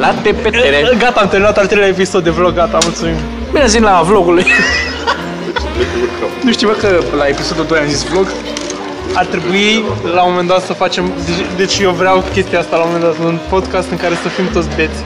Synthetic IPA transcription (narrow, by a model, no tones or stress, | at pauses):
lat̪epeeɾeɡat̪aːmt̪eminat̪alt̪ɾelʲaepiso̞d̪evloɡːat̪amult̪sumim | bineazvinlavloɡuluj | et͡ʃlekeukanuʃt̪ivakəplaepisod̪ud̪ojanzisvloɡ | art̪ɾe̞builamo̞me̞nd̪at̪səfat͡ʃe̞md̪ed̪e̞t͡ʃʲjewvɾeawkʲe̞st̪iaast̪alamo̞me̞nd̪at̪unpo̞d̪kast̪ɨŋkaɾe̞səfimt̪ot̪sʲbe̞t̪sʲ